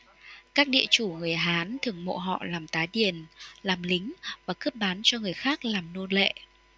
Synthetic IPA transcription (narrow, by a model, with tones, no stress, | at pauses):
kaː˦˥k̚ɗḭ˧˨ət͡ɕu˧˩ŋɨ˨˩əjɦaː˨˦nt̪ʰɨ˨˩əŋmo̰˧˨ɦɔ̰˧˨laː˨˩mt̪aː˨˦jɗi˨˩ənlaː˨˩mlï˨˦ŋ̟vaː˨˩kɨ˦˥p̚ɓaː˨˦nt͡ɕɔ˧ŋɨ˨˩əjxaː˦˥k̚laː˨˩mno˧lḛ˧˨